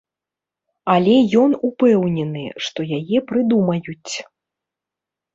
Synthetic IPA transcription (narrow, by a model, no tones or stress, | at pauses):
ɐlʲɛjɔnupɛwnʲɛnɨ̰ʂt̪ɔjajɛpɾɨd̪umɐjut͡sʲ